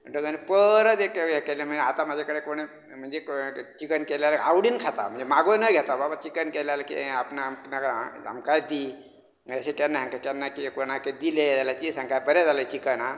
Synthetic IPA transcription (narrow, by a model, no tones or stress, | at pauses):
əɖəɡanipəɾət̪ekejekelem̤ənd͡zeat̪amad͡ʒʱekəɽekoɽ̃e | m̤ənd͡zet͡ʃikənkelalawɽiːnkʰat̪a̰m̤ənd͡zemaɡonəɡʱet̪ababat͡ʃikənkelalakḭapnamknaka̰mkajd̪i | əseʈenːaɦãŋkatenːakikonaked̪iled͡zalat̪isãŋkabəɾad͡zalət͡ʃikəna